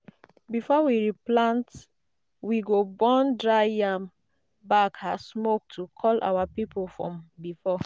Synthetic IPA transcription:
bifɔwiɹiplãnt | wiɡobɔ̃ndɹajam | bakasmok̚tʰukʰɔlʔa̰wapipolfɹɔ̰̃mbifɔ

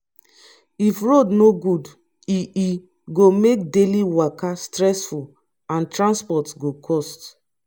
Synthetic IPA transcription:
ifɹodnoɡud | iʔi | ɡomek̚deliwakastɹɛsful | ãntɹãnspɔtsɡokʰɔst

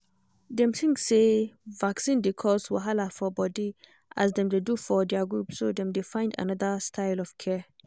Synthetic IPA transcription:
dɛ̃mθĩŋksevaksĩndekʰɔswa̰ɦalafɔbɔdi | ʔa̰sdɛ̃mdedufɔdɛaɡɹupsodɛ̃mdefãɪ̃nda̰nɔðəstʰaɪlɔv̥kʰɛ

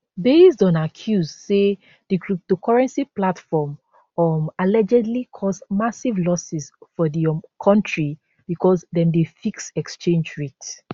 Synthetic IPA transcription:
besdɔ̃nakʰjuzse | diɡɹutokʰɔɹɛ̃nsiplatfɔm | ɔmalɛd͡ʒɛdlikʰɔsmasivlɔsisfɔðikʰɔ̃ntʰɹi | b̥ikʰɔsdɛ̃mdefiksɛkst͡ʃẽnd͡ʒɹet

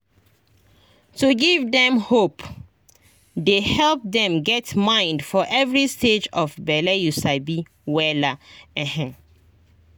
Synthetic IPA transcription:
tuɡivdɛ̃mhop | dehɛlp̚dɛ̃mɡɛtmãɪ̃ndfɔʔɛvɹisted͡ʒɔfbɛlejusaɪbi | wɛlaɛ̃hɛ̃

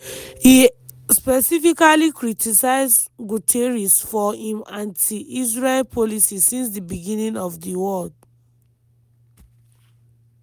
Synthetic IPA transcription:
hi | spɛsifikalikɹitʰisaɪzɡutʰeɹisfɔĩmãntʰiʔisɹelpʰɔlisisĩns̬dibiɡĩnĩŋɔvdiwɔld̚

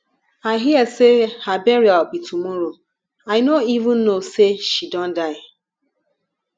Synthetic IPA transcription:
aɪɦiɛsehabeɾiaɔk͡pitʰumɔɾo | aɪnoivʊ̃n̩ːoseʃidɔ̃n̩daɪ

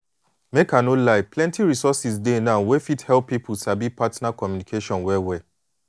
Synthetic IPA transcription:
mekãnolaɪplɛ̃ntiɹisɔsisdenãnwefithɛlpːipʰusabipatnakɔmjunikʰeʃɔ̃nwɛwɛ

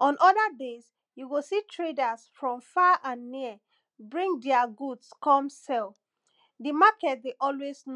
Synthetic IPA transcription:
ʔɔ̃nʔɔdədez | juɡositʰɹedasfɹɔ̃mfaʔãnːiə | bɹĩŋdiaɡudskɔ̃msɛl | dimakɛt̚deʔɔlwezn

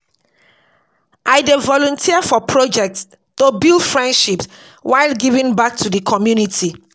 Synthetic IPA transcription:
ʔaɪdevɔlɔ̃ntʰiafɔpʰɹod͡ʒɛk̚ts | tobildfɹɛ̃ndʃips | waɪlɡivĩnbak̚tʰudəkʰɔmjunitʰi

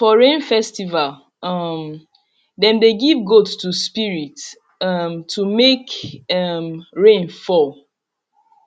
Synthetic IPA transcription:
fɔɹẽnfɛstival | ʌm | dɛ̃mdeɡivɡotstuspiɹit | ʌmtʰumekʌmɹẽnfɔl

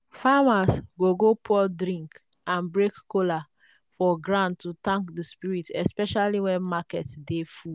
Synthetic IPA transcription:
famasɡoɡopʰɔdɾĩŋk | ãnbɹekːola | fɔɡɹãntːutãŋkdəspiɹitɛspɛʃaliwɛ̃nmakɛtdefu

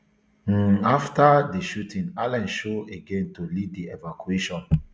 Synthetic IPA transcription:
aftadeʃutʰĩnalɛ̃nʃoeɡẽntuliddievakueʃɔ̃n

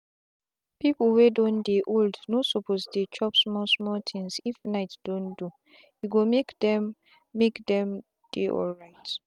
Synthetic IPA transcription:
piplwedõndeʔoldnosopʰosdet͡ʃɔpsmɔsmɔlt̪ʰĩŋsifnaɪtd̥õndu | juɡomekdɛ̃mː | ekdɛ̃m | d̥eʔɔ̰lɹaɪt

